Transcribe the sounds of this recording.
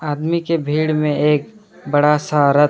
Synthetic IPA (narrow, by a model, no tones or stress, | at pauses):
aːd̪mikebʱiːɽmẽeːk̚ | bɐɽasəɦaːɾət̪